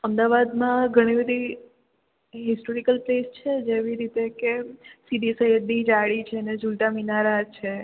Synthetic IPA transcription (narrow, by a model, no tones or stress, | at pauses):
əmd̪aʋad̪mãɡʱəɽ̃ibəd̪ʱi | ɦɪsʈoɾikəlplest͡ʃʰed͡ʒeʋiɾit̪ekesid̪isəɦid̪nid͡ʒaɭit͡ʃʰened͡ʒulʈ̪aminaɾad͡ʒt͡ʃʰe